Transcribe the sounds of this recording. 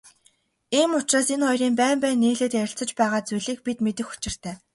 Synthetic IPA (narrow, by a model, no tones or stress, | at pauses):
iːmʊt͡ɕraːsenχɔjriːmpæːmpæːnːiːɮeːt̪jæɾʲɪ̆ɬt͡sɞ̆t͡ɕpæːʁaːt͡sujɮiːk̚pit̪met̪ɘ̆xu̥t͡ɕɪ̆r̥t̪ʰæː